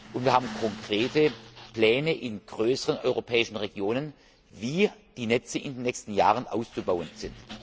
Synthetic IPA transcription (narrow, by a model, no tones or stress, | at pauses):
ʔʊntviːɐhaːbm̩kʰɔŋkʁ̥eːtəpl̥ɛːnəʔɪnɡ̥ʁøːsəʁənʔɔ̰ʏʁopʰɛːɪʃn̩ʁeɡjoːnən | viːd̥iːnɛt͡səʔɪndeːnːɛçstn̩jaːʁənʔa̰ʊst͡subaʊənz̥ɪnt